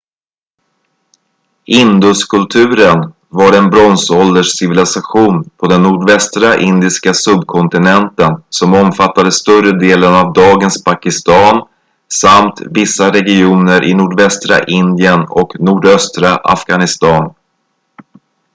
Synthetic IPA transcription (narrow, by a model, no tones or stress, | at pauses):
ʔɪnd̪ʊskʰɵlt̪ʰʉ̟ːɾən | vaɾɛnbɾɔnsɔld̪əʂsɪvɪlɪsaɧuːnpʰɔd̪ɛnːuːɖvɛst̪ɾaʔɪnd̪ɪskasɵb̚kʰɔnt̪ɪnɛnt̪ənsɔmɔmfat̪ːad̪əst̪ɵrəd̪eːlənavd̪ɑːɡənspʰakɪst̪ɑːn | samt̪vɪsːaɾɛɡɪuːnəɾʔɪ̰nuːɖvɛst̪ɾa̰ʔɪnd̪ɪənɔknuːɖœst̪ɾaʔa̰fɡanɪst̪ɑːn